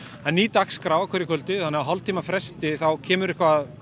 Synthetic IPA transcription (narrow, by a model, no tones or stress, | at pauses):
ɛnːiːt̪akskɾawakʰɛɾɪkʰœlt̪ɪθanːɪɣaɦɔlt̪ʰiːmafɾɛst̪ɪθawcʰɛːmʏɾɪhkvaːð